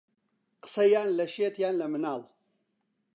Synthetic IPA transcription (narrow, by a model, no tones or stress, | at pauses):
qɨ̥sɐjaːnlɐʃeːt̪jaːnlɐmɨnaːl